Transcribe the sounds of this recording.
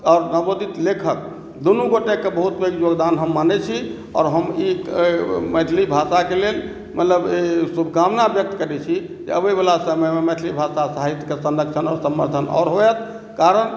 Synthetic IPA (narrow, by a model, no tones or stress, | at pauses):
ɔːɾnəbod̪it̪lekʰək | d̪onuɡoʈekebəɦut̪beɡjoɡd̪anɦəmːanɛt͡ʃʰi | ɔ̰ːɾɦəmi | mət̪ʰlibʱasakelel | mət̪ləbesubʱkamnabjək̚t̪kəɾɛt͡ʃʰi | d͡ʒḛəbebalasəməjmemət̪ʰlibʱasasaɦit̪kesənəksʰənɔ̰ɾsəmːə̰ɾt̪ʰənɔ̰ːɾɦoɛt̪̚ʰ | kaɾən